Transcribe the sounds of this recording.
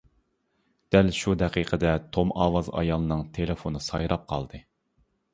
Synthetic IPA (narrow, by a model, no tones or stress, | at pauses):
d̪̥ælʃud̪ɛqʰiqʰəd̪ɛt̪ʰomɑːwɑzɑ̰jɑlˠɨnɨŋt̪ʰelefonɨsɑjɾʔɑp̚qʰɑ̰lˠd̪ɨ